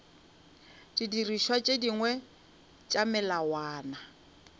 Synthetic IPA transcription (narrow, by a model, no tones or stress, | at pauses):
d̥idiriʃwat͡ʃʼediŋwɛ | t͡ʃʼamɛlawaːna